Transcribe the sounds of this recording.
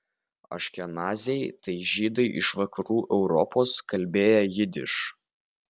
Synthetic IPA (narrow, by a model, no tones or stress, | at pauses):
ɐ̰ʃʲkʲɛnɑːzʲɛɪt̪ɐɪʒʲiːd̪ɐɪʔɪ̰ʃʋɐkɐɾuːʔɛʊɾɔpoːskɐlʲbʲeːjɛjɪd̪ʲɪʃ